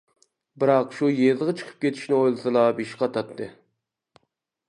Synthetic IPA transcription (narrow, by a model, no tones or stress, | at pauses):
bɨɾɑqʃujezʁɑt͡ʃʰə̥qʰə̥p̚kʲʰet̪ʰi̥ʃnɪojlˠɨsɨlˠɑbiʃqʰɑt̪ʰɑt̪ːɨ